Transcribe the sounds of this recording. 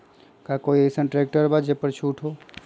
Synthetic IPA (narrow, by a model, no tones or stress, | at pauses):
kakoːiesənʈɾek̚ʈəɾbad͡ʒepəɾt͡ʃʰuːʈʰɦoː